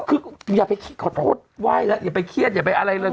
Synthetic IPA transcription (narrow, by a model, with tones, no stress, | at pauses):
kʰɯː˧jaː˨˩k̚pa˧jkʰi˧˥tkʰɔː˨˩t̪ʰo̰ː˦˥˨t̪̚waː˧˥˩jlɛ˦˥ʔjaː˨˩pa˧jkʰi˦˥˩ət̪̚jaː˨˩pa˧jʔa˧ɾa˧jlɤː˧